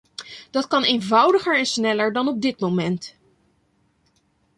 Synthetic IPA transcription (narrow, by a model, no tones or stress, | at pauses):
d̥ɑtkɑnejnvʌwdəχəɹɛnsnɛləɹdɑnɔb̚dɪt̚momɛnt